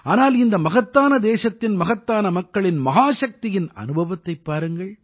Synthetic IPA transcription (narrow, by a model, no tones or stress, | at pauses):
aːnaːlɪnd̪ɐmɐɣɐt̪ːaːnɐd̪eːʂɐt̪ːɪnmɐɣɐt̪ːaːnɐmɐkːɐɭɪnmɐɦaːʂɐk̚t̪ɪjɪnɐ̰nɯbʱɐʋɐt̪ːɐɪpːaːɾɯŋɡɐɭ